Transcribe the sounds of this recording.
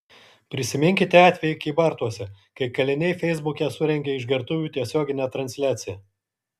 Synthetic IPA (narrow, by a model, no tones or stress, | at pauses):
pʲɾʲɪsʲɪmʲɪŋʲkʲɪt̪ʲɛɑːt̪ʲʋʲɛjɪkʲiːbɐɾt̪uɔsʲɛ | kɐɪkɐlʲɪnʲɛɪfʲɛɪzbʊkʲɛsʊɾʲɛŋʲɡʲɛɪʒɡʲɛɾt̪ʊʋʲuːt̪ʲiɛsʲoːɡʲɪnʲæːt̪ɾɐnʲsʲlʲæːt̪sʲɪjɛː